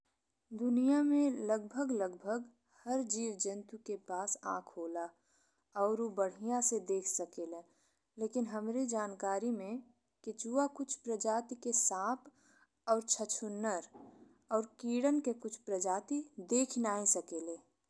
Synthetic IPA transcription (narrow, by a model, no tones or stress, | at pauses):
d̪ʊnijamẽləɡbʱəɡləɡbʱəɡ | həɾd͡ʒiːwd͡ʒənt̪ukepaːsã̰ːkʰɦoːla | ɔːɾobəɽ̤ijãsed̪eːkʰsəkeːle | leːkɪnɦəmɾid͡ʒaːnkaːɾimẽ | ket͡ʃuakʊt͡ʃʰpɾəd͡ʒaːt̪ikesãːp | ɔːɾt͡ʃʰət͡ʃʰʊnːəɾ | ɔːɾkiːɽənkekʊt͡ʃʰpɾəd͡ʒaːt̪id̪eːkʰnaːisəkeːleː